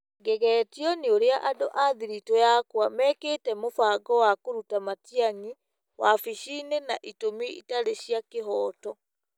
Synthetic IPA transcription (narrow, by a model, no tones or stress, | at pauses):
ɡɛɣɛːtiɔneoɾeaʔadoʔaðiɾitɔjakwamɛkeːtɛmofaɡɔwakoɾutamatiaɲi | wafiʃiːnenaʔitomiitaɾeɕjakeɦɔːtɔ